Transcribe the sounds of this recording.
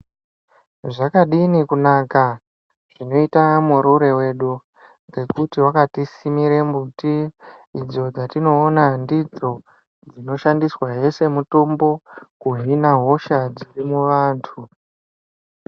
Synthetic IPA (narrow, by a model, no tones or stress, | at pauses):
ʐakaɗinikunaːka | ʐ̥ino̞itamuɾuɾe̞we̞ɗu | ŋɡe̞kutiwakatisimiɾe̞mbutiː | d͡zo̞d͡zatino̞ːnandid͡zo̞ | d͡zino̞ʃandiswaɦe̞se̞mutombo̞kuɦinaɦo̞ʃad͡zirimuʋaːntʰu